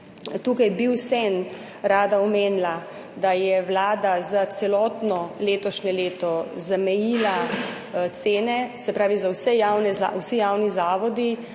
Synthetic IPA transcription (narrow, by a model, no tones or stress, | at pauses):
t̪uːkajbiwsɛn | ɾaːd̪aɔmeːnla | d̪ajɛwlaːd̪azat̪sɛlɔːt̪nɔleːt̪ɔʃnɛleːt̪ɔzamɛjiːla | t̪seːnɛsɛpɾaːʋizawsɛjawnɛzawsijawnizaːʋɔd̪i